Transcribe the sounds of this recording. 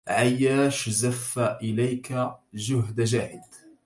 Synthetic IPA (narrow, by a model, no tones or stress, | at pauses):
ʕajːaːʃzafːaʔɪlajkaʒʊɦd̪aʒaːhɪd̪